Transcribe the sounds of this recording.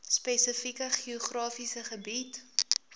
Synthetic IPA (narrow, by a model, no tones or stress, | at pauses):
spesəfikəχioχrɑːfisəχəbit